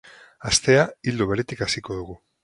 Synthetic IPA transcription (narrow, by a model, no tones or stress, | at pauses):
ast̪e̞aild̪oβ̞e̞ɾet̪ikasiko̞ð̞uɣu